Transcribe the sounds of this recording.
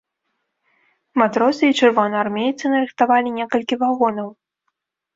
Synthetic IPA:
mat̪ɾɔsɨit͡ʂɨrvɔnɨarmʲejt̪sɨnɐɾɨxt̪avalʲinʲɛkɐlʲkʲivaɣɔnɐw

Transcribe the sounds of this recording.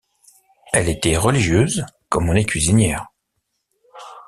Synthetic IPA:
ɛlet̪ɛʁəliʒjøzkɔmɔ̃nɛkɥizinjɛːʁ

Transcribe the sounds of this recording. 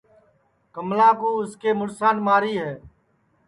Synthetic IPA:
kəmlãːkuːɪskeːmʊɽsaːnmaːɾiːɦɛː

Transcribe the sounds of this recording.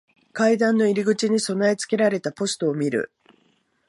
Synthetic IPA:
kaid̪ãnːo̞iɾʲiɡɯ̟t͡ɕiɲ̟iso̞naet͡sɨ̥ke̞ɾaɾe̞t̪apo̞sɨ̥t̪o̞ːmʲiɾɯ̟̰

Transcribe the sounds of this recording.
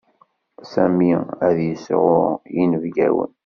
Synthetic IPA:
sæmiæðjəsʁʊʁjinəvɡæwə̰n

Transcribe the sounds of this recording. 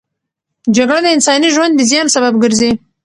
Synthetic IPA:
d͡ʒaɡɽad̪əɪnsɑniʒwand̪ːəzjɑnsababɡəɾzi

